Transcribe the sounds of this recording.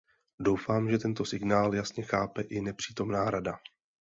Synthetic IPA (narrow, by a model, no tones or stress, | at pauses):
do̞wfaːmʒɛt̪ɛnt̪o̞sɪɡnaːljasɲɛxaːpɛʔɪnɛpr̥iːt̪o̞mnaːɾada